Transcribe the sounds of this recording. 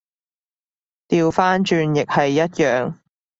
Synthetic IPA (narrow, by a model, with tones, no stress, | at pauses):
t̪iː˧wfaː˥nt͡ʃyː˧njɪ˨k̚hɐ˨jːɐ˥t̚jœː˨ŋ